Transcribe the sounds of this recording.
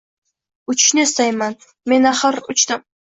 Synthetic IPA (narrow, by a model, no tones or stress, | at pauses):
ʊt͡ʃʰɪ̥ʃnɪɪst̪ajman | me̞naχɨɾʊt͡ʃd̪ɪm